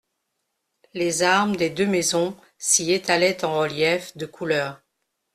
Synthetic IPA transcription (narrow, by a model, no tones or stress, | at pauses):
lezaʁmd̪ed̪ømɛzɔ̃ | siet̪alɛt̪ɑ̃ʁəljɛfd̪əkʰulœːʁ